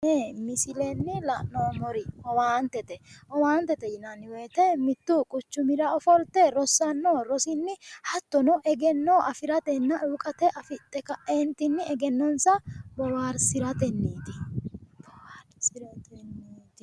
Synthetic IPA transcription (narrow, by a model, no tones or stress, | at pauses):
eːmɪsɪlɛnːɪlɐʔnoːmɔɾɪhɔwaːnt̪ɛt̪ɛhɔwaːnt̪ɛt̪ɛjɪnɐnːɪweːt̪ɛmɪt̪ːukʼʊt͡ʃːʊmɪɾɐɔfɔlt̪ɛɾɔsːɐnːoːɾɔsɪnːɪhɐt̪ːɔnɔʔɛɡɛnːoʔɐfɪɾɐt̪ɛnːɐʔuːkʼɐt̪ɛʔɐfɪt̪ʼːɛkɐʔɛnt̪ɪnːɪɛɡɛnːɔnsɐbɔwaːɾsɪɾɐt̪ɛnːiːt̪ɪb̥ɔwaːɾsɪɾɐt̪ɛnːiːt̪ɪ